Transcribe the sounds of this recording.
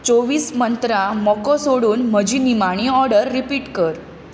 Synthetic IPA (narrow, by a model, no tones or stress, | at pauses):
t͡soʋiːsmənt̪ɾamɔkɔsoɽuːnm̤əd͡ʑiːnimaɽ̃iɔɾɖəɾːipiːʈkəɾ